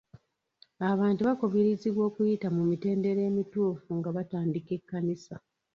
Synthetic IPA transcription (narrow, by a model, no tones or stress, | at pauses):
aβaːntuβakoβiɾiziβwo̞ːkujitamumite̞ːnde̞ɾe̞ːmituːfuŋɡaβataːndike̞kːanisa